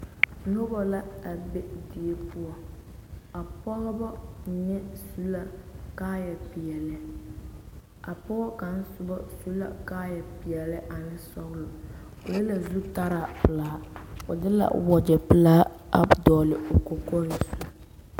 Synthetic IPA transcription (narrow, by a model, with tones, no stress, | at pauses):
nʊ˦bɔ˦la˦a˨be˦di˨e˦pʊ˦ɔ˨ | a˨pɔ˦ɣɔ˦bɔ˦˨nɛ˦su˦la˨kaː˦jɛ˨pi˨ɛ˨lɛ˦ | a˨pɔ˦ɣɔ˦ka˨n̩˦sʊ˦bɔ˦su˦la̰˨kaː˦jɛ˨pi˨ɛ˨lɪ˦ʔa˨nɪ˦sɔ˦ɣlʊ˨ | o̰˨jɛ˦la˨zu˦ta˦ɾaː˨pɪ˨laː˦o˨dɪ˦la̰˨wɔ˨d͡ʒɛ˨pɪ˨laː˦ | a̰˨dɔː˨lɪ˨o˨ko˨kɔ˦ɾi˨su˦